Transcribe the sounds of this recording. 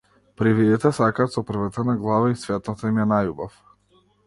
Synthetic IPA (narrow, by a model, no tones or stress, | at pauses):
pɾivid̪it̪ɛsakaːt̪sɔpr̩vat̪anaɡlˠavaisvɛt̪nat̪aimɛnajubaf